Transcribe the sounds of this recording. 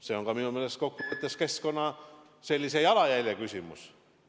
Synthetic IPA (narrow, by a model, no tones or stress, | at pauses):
se̞oŋɡ̥ɑminumele̞st̪ko̞kːumut̪ːˑeske̞sko̞nːɑ | se̞lʲːisejɑlɑjæjlʲekysʲimṵs